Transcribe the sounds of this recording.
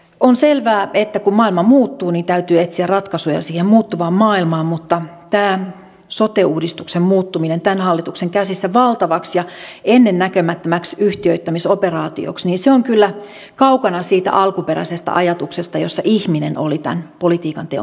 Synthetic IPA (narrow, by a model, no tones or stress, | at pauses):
onselʋæːet̪ːækummɑːilmɑmuːt̪ːuːnint̪æyt̪yːet̪siærrɑt̪kɑsujɑ̰siːhemmuːt̪ːuʋɑːmmɑːilmɑːmmut̪ːɑt̪æː | sot̪euːdist̪uksemmuːt̪ːuminent̪ænhɑlːit̪ukseŋkæsisːæʋɑlt̪ɑʋɑksjɑenːenːækømæt̪ːømæksyht̪iøit̪ːæmisoperɑːt̪ḭo̰ksniːnseoŋkylːæ | kɑukɑnɑsiːt̪æ̰ʔɑlkupeɾæ̰isest̪ɑ̰ʔɑjɑt̪uksest̪ɑjosːɑʔihminḛno̰lit̪æ̰npolit̪iːkɑnt̪eo̰